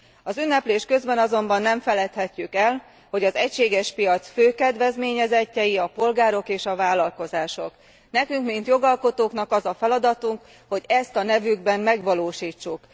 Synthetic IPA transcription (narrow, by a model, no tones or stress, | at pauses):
ɒzynːɛpleːʃkø̞zbɛnɒzo̞mbɒnːɛɱfɛlɛt̪hɛcːykɛl | ho̞ɟɒzɛcʃeːɡɛʃpijɒt̪sføːkɛd̪vɛzmeːɲɛzɛcːɛjiɒpo̞lɡaːɾo̞keːʃɒvaːlːɒlko̞zaːʃo̞k | nɛkyŋkmint̪jo̞ɡɒlko̞t̪oːkn̪ɒkɒzɒfɛlɒd̪ɒt̪uŋk | ho̞ɟɛst̪ɒnɛvyɡbɛnmɛɡʋɒloːʃiːt͡ʃːuk